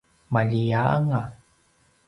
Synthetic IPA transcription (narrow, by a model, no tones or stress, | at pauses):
maʎiaa̰ŋa